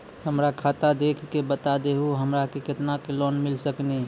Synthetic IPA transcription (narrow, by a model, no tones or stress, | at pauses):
həmɾakʰat̪ad̪ekʰkebət̪ad̪eɦuɦəmɾakekɪt̪nakilɔnmɪlsəkni